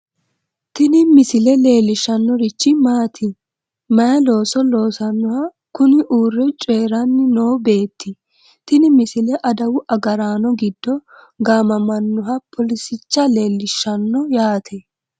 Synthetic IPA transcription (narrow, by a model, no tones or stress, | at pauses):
t̪ɪnɪmɪsɪlɛle̞ːlːɪʃːɐnːɔɾɪt͡ʃːɪmaːt̪ʰɪ | mɐjɛlo̞ːsɔlo̞ːsɐnːʊhɐ | kʊnɪʔuːrːɛt͡ʃʼeːɾɐnːɪnoːbe̞ːt̪ːɪ | t̪ɪnɪmɪsɪlɛʔɐd̪ɐwʊʔɐɡɐɾaːnɔɡɪd̪ːɔ | ɡaːmɐmɐnːʊɦɐpʰɔlɪsɪt͡ʃːɐle̞ːlːɪʃːɐnːɔjaːt̪ʰɛ